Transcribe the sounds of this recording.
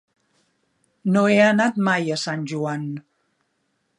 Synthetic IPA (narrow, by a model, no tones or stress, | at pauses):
noeənat̪majəsanʲʒuan